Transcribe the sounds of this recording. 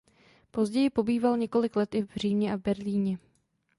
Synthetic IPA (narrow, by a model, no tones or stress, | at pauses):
po̞zɟɛjɪpo̞biːvalɲɛko̞lɪklɛt̪ɪvr̝iːmɲɛʔavbɛɾliːɲɛ